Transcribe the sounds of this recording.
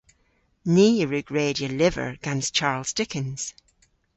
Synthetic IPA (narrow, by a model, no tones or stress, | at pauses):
niːjəɹʉɡ̥ɹeːdiəlɪvə̰˞ɡ̥ãnst͡ʃʰaɹlˠz̥dɪkə̃nz̥